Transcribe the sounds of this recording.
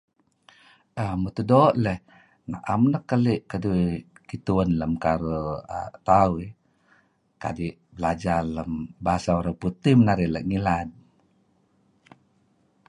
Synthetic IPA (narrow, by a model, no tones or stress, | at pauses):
ʔəmət̪udoʔləh | na̰ʔamnəkːəliʔkəduikit̪uənləmkaɾuə̰t̪aui | ka̰diʔ | bəlad͡ʒaləmbaasauɾaŋput̪ihmənaɾiləʔŋilan